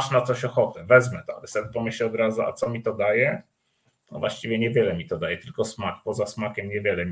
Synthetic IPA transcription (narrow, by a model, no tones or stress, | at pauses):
ʂnat̪sɔɕɔxɔt̪ɛvɛzmɛt̪ɔa̰lɛsɔbʲɛpɔmɘɕlʲɛɔd̪ɾazua̰t̪sɔmʲit̪ɔd̪ajɛ | t̪ɔvwa̰ɕt͡ɕivʲjɛɲɛvʲjɛlɛmʲit̪ɔd̪ajɛt̪ɘlkɔsmakpɔzasmakʲɛmɲɛvʲjɛlɛmʲ